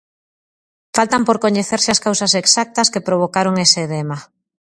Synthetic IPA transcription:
falt̪ɐmpoɾkoɲeθeɾsɪɐskawsɐseksak̚t̪ɐskepɾoβ̞okaɾoŋeseðema

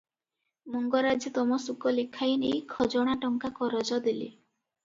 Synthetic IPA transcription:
mɔŋɡɔɾad͡ʒet̪ɔmɔsukɔlekʰainḛjkʰɔd͡ʒɔɽ̃aʈɔŋkakɔɾɔd͡ʒɔd̪elḭ

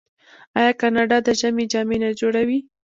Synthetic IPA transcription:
ɑjɑkɑnɑɖɑd̪əʒamed͡ʒɑmenad͡ʒoɽawi

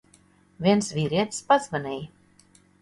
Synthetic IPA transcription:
vʲiɛnsvʲiɾʲiɛt̪spazvanʲɛj

